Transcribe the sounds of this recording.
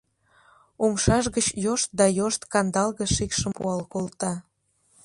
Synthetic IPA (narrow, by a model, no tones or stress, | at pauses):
umʃɑʃɣət͡ɕjoʃt̪̚d̪ɑjoʃt̪kɑnd̪ɑlɣə̆ʃikʃəmpṵɑlkolt̪ɑ